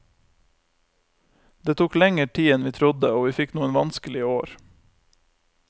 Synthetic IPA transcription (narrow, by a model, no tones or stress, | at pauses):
d̪eːt̪ʰuːklɛŋəʈʰiːɛnʋiːt̪ʰɾʊd̪əoːʋiːfɪknuːənʋɑnskəlɪoːɾ